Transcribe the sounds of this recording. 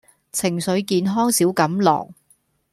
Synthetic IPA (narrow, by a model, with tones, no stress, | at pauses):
t͡sʰɪ˨˩ŋsɵ˨˧ɥkiː˧nɦɔː˥ŋsiː˨˥wkɐ˨˥mlɔ̰ː˨˩ŋ̚